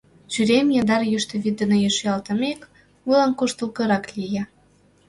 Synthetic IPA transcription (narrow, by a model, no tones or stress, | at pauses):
t͡ɕyɾʲemjɑnd̪ɑɾjyʃt̪ə̆βid̪ənojeʃjɑlt̪ə̆mek | mɨlɑnkuʃt̪əlkɤ̆ɾɑklʲijɑ